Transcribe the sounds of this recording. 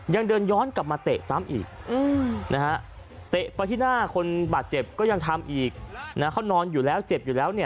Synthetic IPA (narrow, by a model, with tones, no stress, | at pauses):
ja˧ŋdɤː˧njɔː˦˥˨nka˨˩p̚maː˧t̪e˨˩ʔsa˦˥mʔḭː˨˩k̚ʔɯː˧˩na˦˥ha˦˥ʔ | t̪e˨˩ʔpa˧jt̪ʰiː˥˩naː˥˩kʰo˧nbaː˨˩t̪̚t͡ɕe˨˩p̚kɔː˥˩ja˧ŋt̪ʰa˧mʔiː˨˩k̚na˦˥kʰa˥˩wnɔː˧njuː˨˩lɛː˦˥wt͡ɕe˨˩p̚juː˨˩lɛː˦˥wni˥˩ɐ